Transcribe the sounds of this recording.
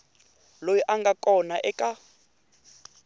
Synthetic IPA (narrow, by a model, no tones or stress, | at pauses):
lojɔʔaŋɡakʼɔnaʔɛkʼa